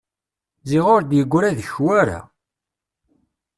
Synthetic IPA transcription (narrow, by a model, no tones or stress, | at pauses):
ziʁʊɾd̪jəɡʷːɾæðəçwæɾa̰